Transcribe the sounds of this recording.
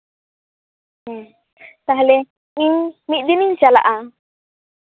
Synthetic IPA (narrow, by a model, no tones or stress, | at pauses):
t̪aɦlɛ | iɲmit̪̚d̪iniɲsala̰ʔa